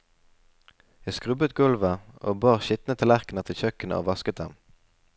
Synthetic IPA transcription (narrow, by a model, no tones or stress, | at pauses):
jæskʁʉbət̪ɡʉlʋəʔoːbɑːʁʃɪt̪nət̪ʰəlæʁknət̪ʰɪlçœkənə̰ʔo̰ːʋɑskət̪̚d̪ɛm